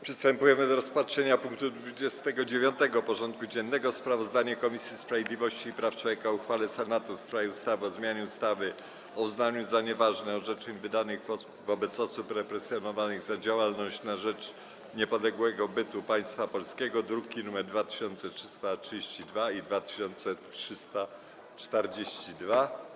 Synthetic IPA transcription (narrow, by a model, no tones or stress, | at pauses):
pʂɛst̪ɛmpujɛmɘd̪ɔɾɔspatʂɛɲapuŋk̚t̪ud̪vud͡ʑɛst̪ɛɡɔd͡ʑevʲjɔnt̪ɛɡɔpɔʐɔnt̪̚kud͡ʑɛnːɛɡɔspɾavɔzd̪aɲɛkɔmʲisʲjispɾavʲjed̪lʲivɔɕt͡ɕiːpɾaftwɔvʲjɛkauxfalɛsɛnat̪ufst̪ɾajɛust̪avɘɔzmʲjaɲɛust̪avɘ | ɔuznaɲuzaɲɛvaʐnɛɔʐɛt͡ʂɛɲvɘd̪anɘɣɔ | vɔbɛt̪sɔsupɾɛpɾɛsʲjɔnɔvanɘɣzad͡ʑawalnɔɕt͡ɕnaʐɛt͡ʂ | ɲɛpɔd̪lɛɡwɛɡɔbɘt̪upaj̃st̪fapɔlskʲɛɡɔd̪ɾukʲinumɛɾd̪vat̪ɘ̥ɕɔnt̪sɛtʂɘst̪atʂɘd͡ʑeɕt͡ɕid̪vaid̪vat̪ɘ̥ɕɔnt̪sɛtʂɘst̪a | t͡ʂt̪ɛɾd͡ʑeɕt͡ɕid̪va